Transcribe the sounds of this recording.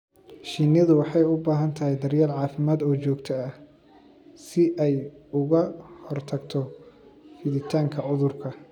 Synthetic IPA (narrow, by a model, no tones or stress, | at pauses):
ʃinɐðʊwɑħɑjʊbaːɦɐnt̪ʰɐɦɛjd̪ɐrjaːlʕɑːfɪmaːd̪ɔːt͡ʃɔːɡt̪ʰɐɐ | sɪʔɛjʊɣɐhɔrt̪ʰɐɡt̪ʰɔ | fɪðɪt̪ʰaːŋkʰɐʕʊðʊrkʰɐ